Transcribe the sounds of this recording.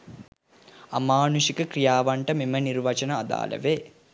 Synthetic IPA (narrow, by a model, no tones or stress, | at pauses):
amaːnuʃikəkrɾijaːʋaɳʈəmimənirʋɐt͡ʃɐnəːd̪a̰ːlʔə̰ʋe